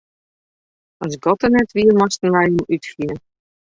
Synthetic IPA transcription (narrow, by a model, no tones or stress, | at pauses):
ɔsɡɔtənɛtʋiəmɔstənʋɛjjəmytχiən